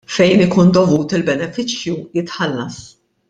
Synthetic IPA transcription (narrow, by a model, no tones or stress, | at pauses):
fɛjnɪkuːnd̪ɔvuːt̪ɪlbɛnɛfɪt͡ʃjujɪt̪ħɐlːɐs